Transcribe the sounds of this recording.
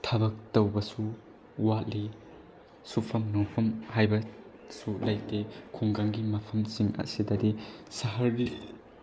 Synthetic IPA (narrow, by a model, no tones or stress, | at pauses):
tʰɐbɐk̚tɐwbɐsu | watli | supʰɐmnopʰɐmhajbɐ | sulɐjtekʰuŋɡaŋɡimɐpʰɐmsiŋɐ̰sidɐdisɐɦɐɾɡi